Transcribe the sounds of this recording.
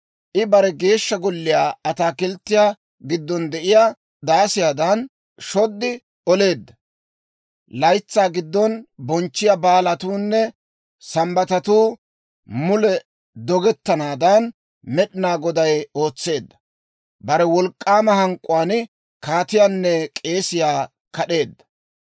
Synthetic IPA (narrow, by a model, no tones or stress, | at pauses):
ʔɪbɐɾɛɡe̞ːʃːɐɡɔlːɪjaːɐt̪aːkɪlt̪ːɪjaː | ɡɪd̪ːɔnd̪ɛʔɪjaː | d̪aːsɪjaːd̪ɐn | ʃɔd̪ːɪ | ɔle̞ːd̪ːɐ | lɐjt͡sːaːɡɪd̪ːɔnbɔnt͡ʃːɪjabaːlɐt̪uːnːɛ | sɐmbɐt̪ɐt̪uː | mʊlɛ | d̪ɔɡɛt̪ːɐnaːd̪ɐn | mɛɗɪnaːɡɔd̪ɐjo̞ːt͡sːe̞ːd̪ːɐ̥ | bɐɾɛwɔlkʼːaːmɐhɐŋkʼːʊwaːnɪ | kaːt̪ɪjaːnːɛkʼe̞ːsɪjaː | kɐɗe̞ːd̪ːɐ̥